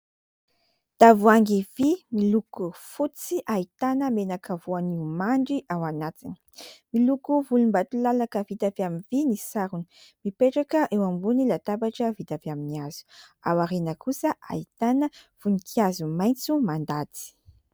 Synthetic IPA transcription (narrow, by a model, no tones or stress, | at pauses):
d̪̥avuaŋɡivimilukufut͡siʔait̪anəmenakavuaniumaɳɖ͡ʐiʔawanat̪ini̥ | milukuvulumbat̪ulalakəvit̪aviamivinisaɾuni̥mipeʈ͡ʂakəʔewambunilat̪abaʈ͡ʂəvit̪aviaminiaz̥u̥awaɾenəkusəʔa̰it̪anəv̥unikʰiazumajnt͡sumand̪at̪i̥